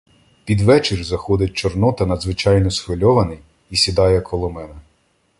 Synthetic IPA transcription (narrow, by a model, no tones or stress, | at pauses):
pʲid̪ʋɛt͡ʃɪrzɐxɔd̪ɪt̚ʲt͡ʃɔrnɔt̪ɐnɐd̪zʋɪt͡ʃɑjnɔsxʋɪlʲɔʋɐnɪj | isʲid̪ɑjɛkʰɔlˠɔmɛnɛ